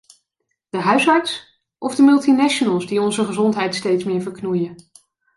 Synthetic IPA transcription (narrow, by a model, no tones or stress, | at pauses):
d̥əɦœɥsɑɹts | ʔɔvdəmɵlˠtinɛʃonəlˠsdiɔnzəχəzɔntɦɛjtstejtsmɪːɹvəɹknujən